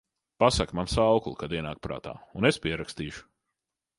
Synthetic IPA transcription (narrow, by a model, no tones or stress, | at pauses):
pasakmansawklˠkad̪iɛnaːk̚pɾa̰ːt̪a̰ːunespiɛɾakst̪iːʃu̥